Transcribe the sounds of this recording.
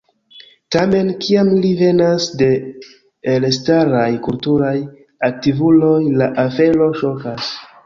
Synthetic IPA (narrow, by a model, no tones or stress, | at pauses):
tame̞nkiamlive̞nasde̞ː | lstaɾajkultuɾaj | ak̚tivulo̞jlaʔafe̞lo̞ʃo̞kas